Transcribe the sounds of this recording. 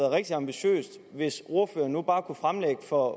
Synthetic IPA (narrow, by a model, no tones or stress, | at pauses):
ð̩ˠʁɛɡ̥̚d̥iɑ̈mb̥iɕø̰ːsd̥ | ʋe̝so̝ɐfø̰ːɐnːub̥ɑ̈ːkʰufʁamleɡ̥əfɒ̽